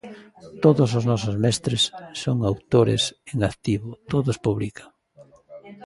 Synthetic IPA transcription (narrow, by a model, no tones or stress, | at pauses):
t̪oðʊsʊznɔsozmɛst̪ɾesːoŋawt̪oɾɪ̰seŋakt̪iβʊt̪oðospuβlikḁ